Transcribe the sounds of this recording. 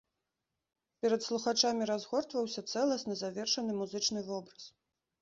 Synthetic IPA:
pʲɛɾɐt̪slˠuxat͡ʂamʲiɾazɣɔrt̪vɐwsʲɐt̪sɛlˠɐsnɐzavʲɛrʂɐnɨmuzɨt͡ʂnɨvɔbɾɐs

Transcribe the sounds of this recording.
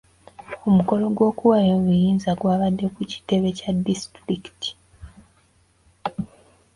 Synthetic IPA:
o̞muko̞lo̞ɡwo̞ːkuwajoβujiːnzaɡwaːβadːe̞kuci̥te̞βe̞cadːistɾiki̥tʰi̥

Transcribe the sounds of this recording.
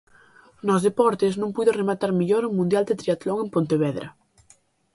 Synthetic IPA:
nɔzðepɔɾt̪eznũmpujðoremat̪aɾmiʎoɾuŋmũnd̪jald̪et̪ɾiat̪loŋempont̪eβ̞ɛðɾa̰

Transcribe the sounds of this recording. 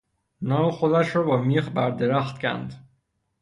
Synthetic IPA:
nɒːmexo̞d̪æʃɾɒːbɒːmiːxbæɾd̪eɾæxt̪cʰæ̰nd̪

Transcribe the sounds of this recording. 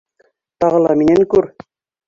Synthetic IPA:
t̪ɑʁɤ̆lˠɑminæŋkʉɾ

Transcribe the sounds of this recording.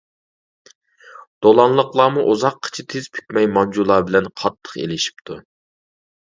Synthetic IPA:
d̪̥olˠɑnlˠəqlˠɑːmuʔozɑqʰːə̥t͡ʃʰit̪ʰez̥pʰy̥kʲmɛjmɑnd͡ʒulˠɑːbɪlɛnqʰɑt̪ʰːə̥qḛlɪʃi̥p̚t̪ʰu

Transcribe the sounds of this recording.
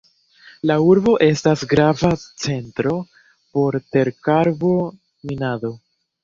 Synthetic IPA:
lauɾbo̞ʔe̞stasɡɾavat͡se̞ntɾo̞ | po̞ɾte̞ɾkaɾbo̞ | minado̞

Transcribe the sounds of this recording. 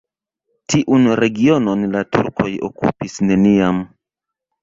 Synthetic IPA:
tiʔunɾe̞ɡio̞no̞nlatṵɾko̞jo̰kṵpisne̞niam

